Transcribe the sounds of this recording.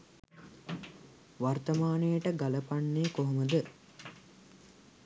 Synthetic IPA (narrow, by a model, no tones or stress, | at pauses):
ʋart̪ɐmaːnəjəʈəɡaləpaɳːeːkoɦoməd̪ə